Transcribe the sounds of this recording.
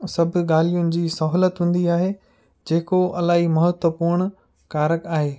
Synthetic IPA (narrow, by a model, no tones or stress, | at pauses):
sɐbʱʊɠaːl̤ijʊnɪ̆d͡ʑiːsɐɦlət̪ɦũːn̆d̪iaːɦe | d͡ʑeːkoɐlaːɦimɐɦət̪wəpʊɾɳ̃ | kaːɾəkaːɦeː